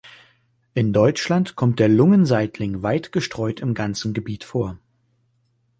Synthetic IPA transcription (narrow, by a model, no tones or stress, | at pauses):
ʔɪndɔʏt͡ʃlantkʰɔmt̚d̥eːɐlʊŋənzaɪtʰlɪŋvaɪtɡ̥əʃtʁ̥ɔʏtɪmɡant͡sn̩ɡəbiːtfoːɐ